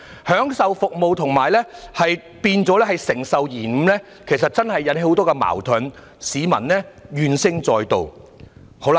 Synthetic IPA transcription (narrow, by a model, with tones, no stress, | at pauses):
hœː˨˥ŋsɐ˨wfʊ˨k̚mo˨wt̪ʰʊ˨˩ŋmaː˨˩jlɛː˥hɐ˨j | piː˧nt͡sɔː˨˥lɛː˥hɐ˨jsɪ˨˩ŋsɐ˨wjiː˨˩m̩˨˥lɛː˥ | kʰe˨˩js̬ɐ˨t̚t͡ssɐ˥nhɐ˨jːɐ˨˥nhe˧˥jho˨˥wt̪ɔː˥kɛ˧ma̰ː˨˩wt̪ʰɵ˨˥n | siː˨˧mɐ̰˨˩nlɛː˥jyː˨˧nsɪ˥ŋt͡sɔː˨˧jt̪o˨w | ho˨˧˥wla˧